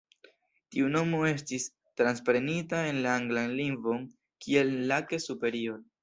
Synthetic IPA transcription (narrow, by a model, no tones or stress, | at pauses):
tiuno̞mo̞e̞s̬tis | tɾanspɾe̞nitae̞nlaaŋɡlanliŋɡvo̞n | kʰie̞lːake̞supe̞ɾioɾ